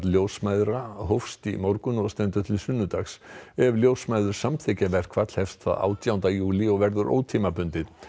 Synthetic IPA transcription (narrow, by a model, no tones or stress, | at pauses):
t̪ljowsmajðɾaɦowfst̪ḭmɔɾkʏnɔɣst̪ɛnt̪ʏt̪ʰɪlsʏnːʏt̪axsɛvljoːwsmajðʏɾ̥samθʰɛcavɛr̥kʰvat̪l̥hɛfst̪θa̰ða̰ːwt̪ʰjawnt̪ajuːliɔɣvɛɾðʏɾʔo̰ːwt̪ʰiːmapʏnt̪ɪð